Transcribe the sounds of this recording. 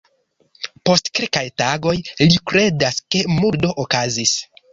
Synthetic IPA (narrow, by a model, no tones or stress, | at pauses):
po̞stkilkajtaɡo̞jlikɾe̞daske̞muɾdo̞ʔokazis